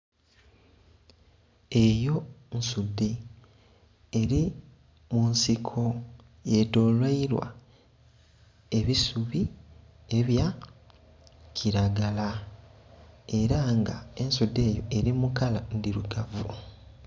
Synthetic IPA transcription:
e̞jo̞nsudːe | ɾi | munsikʰo̞ | je̞do̞ːlwaiɾwa̰ | e̞βisuβie̞βja | cʰiɾaɡala | e̞ɾaŋɡae̞nsudːe̞ːjo̞eɾimukalandiɾuɡavu

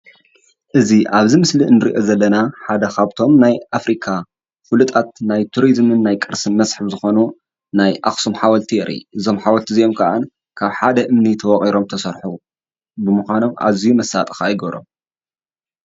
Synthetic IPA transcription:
ʔɨziʔaβzimɨslinɨɾḭʔo̞zɐlːɐnaħad̪ɐxaβt̪ʰo̞mnajʔafɾikʰa | fɨlut̪ʼat̪̚najt̪ʰuɾizmɨnːajkʼɨɾsɨnmɐsħɨβzɨxo̞nu | najʔa̰xsumħawɐlt̪ʰiɛɾʔḭʔɨzo̞mħawɐlt̪ʰizijo̞mkʰaʔa̰n | kʰaβħad̪ɐʔɨmnit̪ʰɐwɔχʼiɾo̞mt̪ʰɐsɐɾħu | bɨmɨxʷano̞mʔa̰βzijumɐsat̪ʼɨ̥xaːjɡɐɾo̞̰m

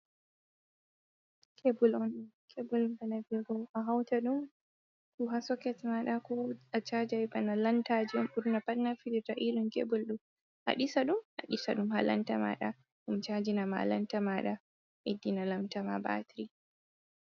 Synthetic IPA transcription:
kʰebulɔnkʰebulbanabiɡɔʔaɦawtaɗum | kuɦasɔkɛtmaɗakuat͡ʃad͡ʒajbanalantad͡ʒimʔuɾnapatnafilitaʔilunkebulɗum | ʔa̰ɗisaɗumʔaɗisaɗumhala̰ntama̰ɗa̰ | ɗumt͡ʃad͡ʒinama̰la̰ntamaɗa | ʔedːinalamtama̰ba̰tɾi

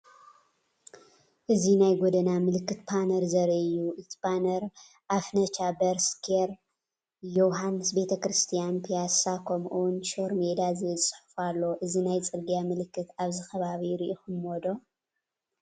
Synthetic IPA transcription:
ʔɨzinajɡod̪ɐnamɨlɨkːɨt̪bʰanɐɾzɐɾɐʔɨjːuʔɨt̪ʰi̥banɐɾ | ʔafnɐt͡ʃabɐɾskʰeɾ | jowɦanɨsbe̞t̪ʰɐkɾɨst̪ʰijanpʰijasakʰɐmʔunʃoɾmed̪azezɨsʼɨ̥ħu̥falːo̞ʔɨzinajt͡sʼɨɾɡijamɨlɨkːɨt̪aβzɨxɐβaβiɾiʔoxɨnod̪o

